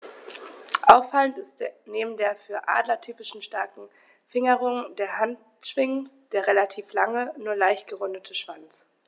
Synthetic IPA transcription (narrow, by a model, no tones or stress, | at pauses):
ʔaʊfːalən̩tɪstneːbm̩deːɐfyːɐʔa̰ːdlɐtʰyːpɪʃn̩ʃtaɐkŋ̩ | fɪŋəʁʊŋdeːɐɦant | ʃv̥ɪŋsd̥eːɐʁelatʰiːflaŋənuːɐlaɪçtɡ̥əʁʊndətʰəʃv̥ant͡s